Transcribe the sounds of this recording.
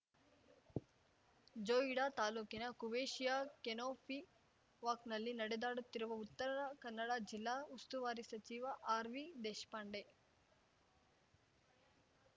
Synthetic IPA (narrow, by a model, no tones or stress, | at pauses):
d͡ʒoːiɽaːt̪aːluːkinɐkuʋeːʃijaːkenoːpʰi | ʋaːknɐlːinɐɽed̪aːɽut̪ːiɾuʋɐut̪ːɐɾɐnɐkɐnːɐɽaːd͡ʒilːaːust̪uʋaːɾisɐt͡ʃiːʋɐʔaːɾʋid̪eːʃpaːɳɖe